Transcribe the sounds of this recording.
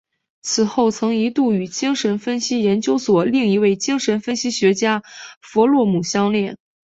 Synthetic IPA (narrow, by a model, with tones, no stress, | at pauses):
t͡sʰɹ̩˨˩xo˥˩ʊt͡sʰɤ˧˥ŋi˧˥t̪u˥˩y˨˩t͡ɕi˥ŋʂə˧˥nfə˥nɕi˥jɛ˧˥nt͡ɕjo˥ʊswɔ˨˩li˥˩ŋi˧˥we˥˩ɪt͡ɕi˥ŋʂə˧˥nfə˥nɕi˥ɕɥɛ˧˥t͡ɕja˥fɔ˧˥lwɔ˥˩mu˨˩ɕjɑ˥ŋljɛ˥˩n